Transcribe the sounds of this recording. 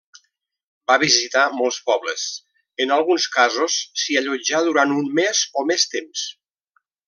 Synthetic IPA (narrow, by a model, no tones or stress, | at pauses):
baβizit̪amɔlˠspɔβlə̰s | ənalˠɣunskazosːiaʎod͡ʒaðuɾant̪unmːezomest̪ems